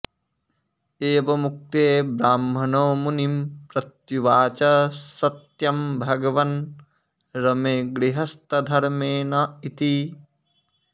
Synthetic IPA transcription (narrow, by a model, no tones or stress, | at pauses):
eːʋɐmuk̚t̪eːbɾaːmːʱɐnoːmunimpɾɐt̪juʋaːt͡ʃɐsɐt̪jɐmbʱɐɡɐʋɐn | ɾɐmeːɡɾiɦɐst̪ɐd̪ʱɐɾmeːnɐit̪i